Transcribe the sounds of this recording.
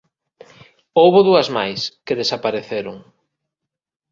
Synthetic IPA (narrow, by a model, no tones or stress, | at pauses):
owβʊðuɐzmajskeðesapaɾeθeɾʊŋ